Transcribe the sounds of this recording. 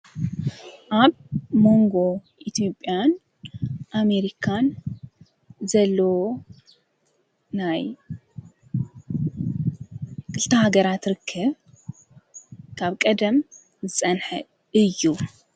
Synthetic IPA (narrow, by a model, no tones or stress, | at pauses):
ʔaβmo̞ŋɡo̞ʔit̪ʰijo̞pʼːjan | ʔame̞ɾikʰan | zɐlːɐwo | naj | kʰɨlt̪ʰɐhaɡɐɾat̪ɾɨkʰːɐβ | kʰaβkʼɐd̪ɐm | zɨt͡sʼɐnħɨ | ɨjːu